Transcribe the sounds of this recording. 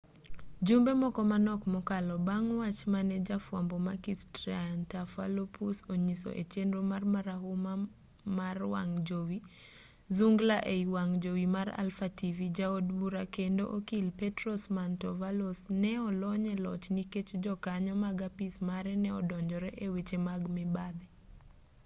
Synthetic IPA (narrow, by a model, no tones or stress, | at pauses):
d͡ʒumbemɔkɔmanɔkmɔkalɔbaŋwat͡ʃmanɛd͡ʒafwambɔmakistɾiantafa̰lopʰusoɲiso̰ʔet͡ʃendɾomarmaɾaɦuma | marwa̰ŋd͡ʒowi | zuŋɡlaʔeiwaŋd͡ʒowimaɾa̰lfativid͡ʒaodbuɾakendo̰ʔokilpɛtɾɔsmantɔvalosnɛɔlɔɲɛlɔ̰t͡ʃniket͡ʃd͡ʒɔkaɲɔmaɡapismaɾɛnɛɔ̰dɔɲd͡ʒɔɾɛʔewet͡ʃemaɡmɪbad̪ɛ